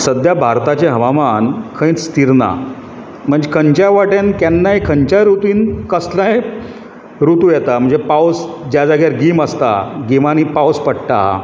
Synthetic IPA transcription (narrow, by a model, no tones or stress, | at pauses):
səd̪jabʱaɾt̪at͡ɕeɦəʋamankʰə̃ĩt͡sst̪iɾna̰ | m̤əɳd͡zekʰəɲt͡ɕjaʋaʈankjanːaekʰəɲt͡ɕaɾut̪iːnkəslãe | ɾut̪ujɛt̪am̤əɳd͡zepawsd͡ʑjad͡zaɡjaɾɡiːməst̪a̰ɡimaniːpawspəɽʈa̰